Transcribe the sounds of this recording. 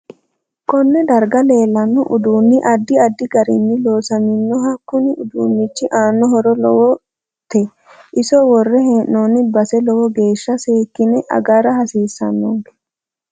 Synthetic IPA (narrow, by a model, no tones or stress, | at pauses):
kɔnːɛd̪ɐɾɡɐle̞ːlːɐnːɔʔʊd̪uːnːɪʔɐd̪ːɪɐd̪ːɪɡɐɾɪnːɪlo̞ːsɐmɪnːɔɦɐkːʊnɪʊd̪uːnːɪt͡ʃːɪʔaːnːɔɦɔɾɔlɔwɔ | t̪ɛ | ʔɪsɔwɔrːɛhɛnːoːnɪbɐsɛlɔwɔɡe̞ːʃːɐseːkːɪnɛʔɐ̰ɡɐɾɐhɐsiːsːɐnːoːɡɛ̥